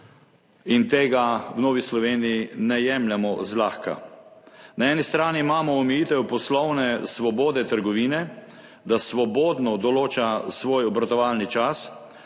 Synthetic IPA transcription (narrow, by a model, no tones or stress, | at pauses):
int̪eːɡawnoːʋislɔʋeːnijinɛjɛmlʲamɔzlaːxka̰ | naɛːnist̪ɾaːniːmaːmɔɔmɛjiːt̪ɛwpɔslɔwnɛsʋɔboːd̪ɛt̪əɾɡɔʋiːnɛ | d̪asʋɔboːd̪nɔd̪ɔloːt͡ʃasʋoːjɔbɾat̪ɔʋalnit͡ʃas